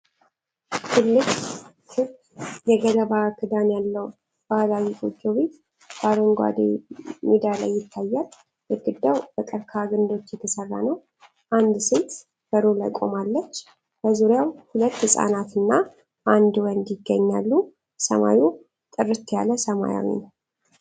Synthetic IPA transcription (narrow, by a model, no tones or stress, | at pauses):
t̪ʰɨlːɨɡ | kʰɨb | jɛɡələβakʰɨd̪anjalːəw | b̥alawikʰʼod͡ʒːoβet̪ | b̥aɾəŋɡʷa̰d̪ḛmid̪ala̰jːɪt̪ʰːajːal | jɛɡɨd̪ːawbək̪ʼɨɾkʰaɡɨnd̪o̞t͡ʃːjɛt̪ʰəsərːa̰nəw | ʔand̪sɨlt̪ | b̥əɾola̰jkʼo̞̰malːət͡ʃː | b̥əzuɾjawhulət̪ːhɨsʼa̰nat̪ɨnːa | ʔand̪wənd̪jɪɡːəɲːa̰lːu | sə̰ma̰ju | t̪ʼɨrɨt̪ːja̰ləsəma̰ja̰wḭnəw